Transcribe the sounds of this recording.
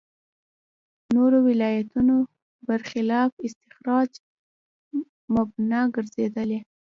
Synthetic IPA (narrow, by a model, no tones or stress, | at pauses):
noɾowɪlɑjat̪uno | baɾxɪlɑfɪst̪ɪxɾɑd͡ʒ | mabnaɡəɾzed̪əle